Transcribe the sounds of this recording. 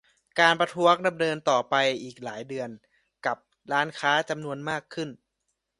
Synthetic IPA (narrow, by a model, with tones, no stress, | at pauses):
kaː˧npɾa˧t̪ʰu˦˥ɐək̚da˧mnɤː˧nt̪ɔː˨˩pa˧jʔiː˨˩k̚laː˩˦jdɯ˧ən | ka˨˩p̚ | ɾaː˦˥nkʰaː˦˥t͡ɕa˧mnu˧ənmaː˥˩kʰːɯ˥˩n